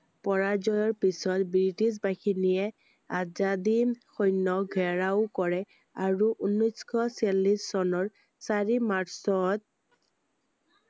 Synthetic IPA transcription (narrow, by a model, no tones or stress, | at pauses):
pɔɹazɔjɔɹpisɔtbɹitisbaxinijɛ | azadixɔjnːɔɡʱɛɹaʊkɔɹɛ | aɹuʔunːɔskʰɔsɛlːisːɔnɔɹ | saɹimaɹsɔt̚